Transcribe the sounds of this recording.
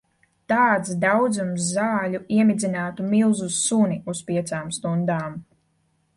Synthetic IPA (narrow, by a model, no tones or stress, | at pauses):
t̪aːt̪sd̪awd̪zumsːaːlʲuiɛmid̪zinaːt̪umilˠzussunʲiuspiɛt̪saːmst̪und̪aːm